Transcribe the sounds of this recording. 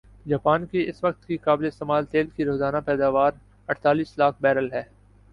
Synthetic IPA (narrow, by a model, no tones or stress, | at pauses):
d͡ʒaːpaːnkeɪsʋɐk̚t̪kikaːbleɪst̪emaːlt̪eːlkiɾoːzaːnapɛːd̪aːʋaːɾ | ɐʈʰt̪aːliːslaːk̚ʰbɛːɾəlɦɛː